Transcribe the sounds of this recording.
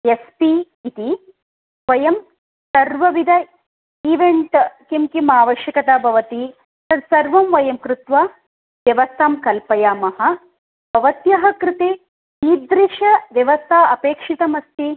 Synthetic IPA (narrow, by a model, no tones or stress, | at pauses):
jespi | it̪i | ʋɐjɐm | sɐɾʋɐʋid̪ʱɐ | iʋeɳʈkimkimaːʋɐʃjɐkɐt̪abʱɐʋɐt̪i | sɐd̪sɐɾʋɐmʋɐjɐmkɾut̪ʋaː | ʋjɐʋɐst̪ʰaːmkɐlpɐjaːmɐɦɐ̆ | bʱɐʋɐt̪jɐɦɐ̆kɾɪt̪eː | iːd̪ɾiʃɐʋjɐʋɐst̪ʰaːɐpeːkʂit̪ɐmɐst̪i